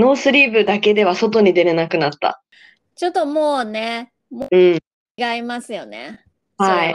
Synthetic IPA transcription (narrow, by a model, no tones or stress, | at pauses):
no̞ːsɨɾʲiːbɯ̟d̪ake̞d̪e̞β̞aso̞t̪̬o̞ɲ̟id̪e̞ɾɯnakɯ̟nat̪ːa̰ | t͡ɕot̪ːomoːne | moɯ̟̃ɴ | ɡaimasɨjo̞nḛ | hai